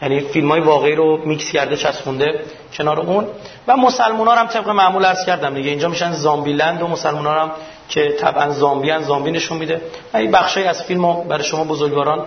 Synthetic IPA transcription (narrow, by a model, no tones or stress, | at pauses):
jæniːfilmɒːjevɒːɣeiːɾomicscæɾd̪e̞t͡ʃʰæsmund̪e̞ | cʰe̞nɒːɾeunvæmosælmunɒːɾæmt̪ʰe̞b̚ɣemæʔmuːlæɾz̥cʰæɾd̪æmd̪iɟeind͡ʒɒːmiʃænzɒːmbiːlænd̪omosælmuːnɒːɾæm | cʰe̞t̪ʰæ̰bʔænzɒːmbiænzɒːmbine̞ʃunmid̪e̞ | væibæxʃɒːjiæz̥filmobæɾɒːjeʃo̞mɒːbozoɾɟvɒːɾɒːn